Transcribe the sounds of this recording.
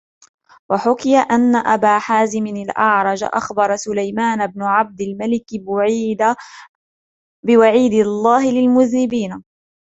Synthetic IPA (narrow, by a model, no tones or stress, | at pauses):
waħʊkɪjaʔanːaʔabaːħaːzɪmɪnalʔɑʕɾˤɑd͡ʒ̰ʔa̰xbɑɾˤɑsʊlajmaːnbnʊʕab̚d̪ɪlmalɪkbʊʕiːd̪a | bɪwaʕiːd̪ɪlˤːaːɦɪlɪlmʊðnɪbiːn